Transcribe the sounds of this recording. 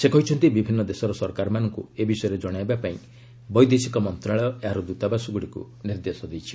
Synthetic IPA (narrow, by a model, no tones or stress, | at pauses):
sekɔɦit͡ʃʰɔnt̪ibibʱinːɔd̪esɔɾɔsɔɾkaɾɔmanɔŋkuebisɔjɔɾed͡ʒɔɽ̃ajbapaĩ | bɔjd̪esikɔmɔnt̪ɾaɭɔaɾud̪ut̪abasɔɡuɽikṵ | niɾd̪esɔd̪ejt͡ʃʰi̥